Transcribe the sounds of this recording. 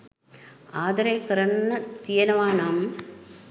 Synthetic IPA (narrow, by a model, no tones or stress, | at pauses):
aːd̪ɐɾeːkɐɾɐɳːɐt̪ijɐnɐʋaːnaːm